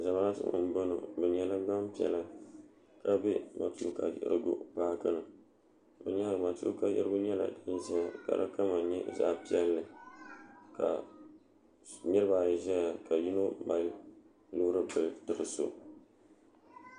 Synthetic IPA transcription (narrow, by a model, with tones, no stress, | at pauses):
za˨ma˦a˦tɨ̰˦˨m̩˦bo˦no̰˨bɨ˨ɲɛ˦la˦ɡ͡ba˦mpi˨ɛ̰˨la˦ | ka˦bɛ˦ma˨tu˦ka̰˨jɛ̰˨ɾɨ̰˦ɡo̰˦paː˦kɨ˦nɨ˨ | bɨ˨ɲa˦ɾɨ˨ma˨tṵ˦ka˦jɛ̰˦ɾɨ˦bʊ˦ɲɛ˦la̰˨dɨ˦nʒɛ˦ja˨ka̰˨ɾɨ̰˦ka˦ma˨ɲɛ˦za̰˦ʔpi˦ɛ˦lːɨ˨ | ka̰˨ | nɨ˦ɾɨ˦ba˨ʒɛ˦ja˨ka˨ji˦no˦ba˨˦ | luː˦ɾɨ˦bɨ˨˦tɨ˨ɾɨ˨so̰˨